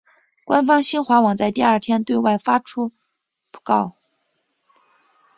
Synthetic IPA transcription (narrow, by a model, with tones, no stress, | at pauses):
kwa˥nfɑ˥ŋɕi˥nxwa˧˥wɑ˨˩ŋt͡sa˥˧ɪt̪i˥˧a˞˥˩t̪ʰjɛ˥nt̪we˥˧ɪwa˥˩ɪfa˥ʈ͡ʂʰu˥ | pu̥˥˩kɑ˥˩ʊ